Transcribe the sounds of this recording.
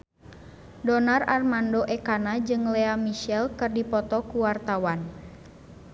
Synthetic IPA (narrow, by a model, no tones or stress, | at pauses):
dɔnararmandoʔɛkanad͡ʒɨŋlɛamiʃɛlkɨrdipɔt̪ɔkuwart̪awan